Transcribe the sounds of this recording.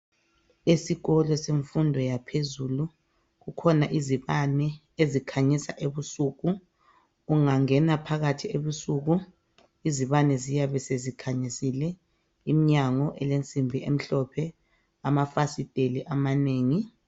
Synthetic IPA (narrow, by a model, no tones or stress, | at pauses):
esiɣɔlɔseɱfundʱɔjapʰezulu | ɣukʰɔnaʔiziβanɛ | ezikʰaɲisaʔeβusuɣu | uŋaŋɛnapʰaɣatʰieβusuɣu | iziβanɛzijaβɛsezikʰaɲisilɛ | imiɲaŋɔʔɛlent͡sʼimbʱiem̩ɬɔpʰɛ | amafasid̥ʱeliʔamaneːŋi